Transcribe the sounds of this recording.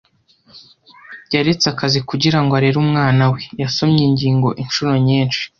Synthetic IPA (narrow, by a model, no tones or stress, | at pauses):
ɟaɾet͡sakazikuɟiɾaŋɡoaɾe̞ɾuːmŋaːnawe̞jaso̞mɲiɲɟiːŋɡo̞̰ʔinʃuɾo̞ɲiːnʃi̥